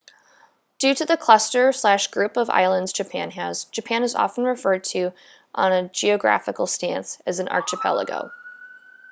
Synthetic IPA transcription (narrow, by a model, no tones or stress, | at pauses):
d̥ʉɾɨðɨkʰl̥ʌstə˞slæʃɡ̥ɹʉpʌva̰ɪlˠə̃ndz̥d͡ʒɨpʰæ̃nɦaʊz̥d͡ʒɨpʰæ̃nɨzɑ̰fn̩ɹɨfɜ˞d̚tʰɨ | ʔə̃nɨd͡ʒiɨɡɹæ̰fɨkl̩ˠstæ̃nsɨz̃n̩ʔɑ̰ɹt͡ʃɨpʰɛ̰lˠə̰ɡo̰ʊ